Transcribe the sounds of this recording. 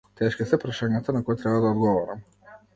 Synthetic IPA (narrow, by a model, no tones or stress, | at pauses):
t̪ɛʃkisɛpɾaʃaɲat̪anakɔjɛt̪ɾɛbad̪aɔd̪ɡɔvɔɾam